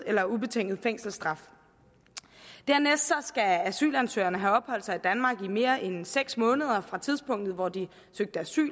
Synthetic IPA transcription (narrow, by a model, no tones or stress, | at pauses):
elɐube̝t͡sʰeŋ̰ɡð̩ˠfeŋ̰sl̩sd̥ʁɑ̈f | d̥æɐ̰nesd̥sɒ̽sɡ̥ææsy̰ːlænsø̰ːɐnəɦæɒ̽b̥hɒ̽l̰d̥sɑ̈ɪid̥ænmɑ̈ːɡ̥ime̝ːɐʔenseɡ̥smɔ̽ːnəð̞ˠɐfʁɑ̈t͡sʰið̞ˠsb̥ɔ̽ŋ̰d̥ð̩ˠʋɒd̥i | søɡ̥̚d̥əæsy̰ːl